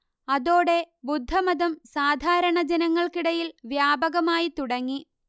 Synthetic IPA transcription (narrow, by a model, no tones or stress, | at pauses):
ɐðo̞ːɽe̞ | bud̪ʱːɐmɐðɐmsaːd̪ʱaːɾɐɳɐd͡ʑenɐŋːɐɭkiɽɐjilʋjaːbɐɣɐmaːjit̪uɽɐŋːi